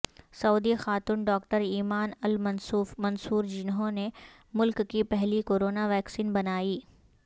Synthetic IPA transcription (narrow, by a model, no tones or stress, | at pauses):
sɐuːd̪ixaːt̪unɖɔːkʈəɾiːmaːnɐlmɐnsuːfmɐnsuːɾd͡ʒɪnɦõne | mʊlkːipɛɦlikoːɾoːnaʋɛːksiːnbɐnaːiː